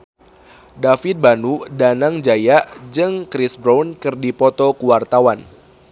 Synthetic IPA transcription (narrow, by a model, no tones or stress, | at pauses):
dafɪt̪̚banudanaŋd͡ʒajaʔd͡ʒɨŋkɾisbɾankɨrdipɔt̪ɔkuwart̪awan